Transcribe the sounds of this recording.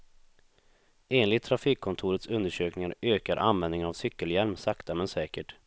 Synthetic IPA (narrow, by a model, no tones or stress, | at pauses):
eːnlɪt̪ʰːɾafiːkʰːɔnt̪ʰuːɾət̪sɵnd̪əʂøːknɪŋaɾøːkaɾʔa̰nvɛnd̪ɪŋənavsʏkːəljɛlmsakt̪ʰamɛnsɛːkəʈ